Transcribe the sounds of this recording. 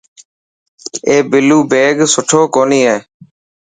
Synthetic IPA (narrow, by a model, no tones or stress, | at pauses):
eːbɪluːbeːɡsʊʈʰoːkoːniːɦeː